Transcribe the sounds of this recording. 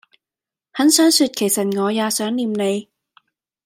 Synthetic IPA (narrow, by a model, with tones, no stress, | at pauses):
hɐ˨˥nsœː˨˥ŋsyː˧t̚kʰe˨˩jsɐ˨˩t̚ŋɔː˨˧jaː˨˧sœː˨˥ŋliː˧mne˨˧j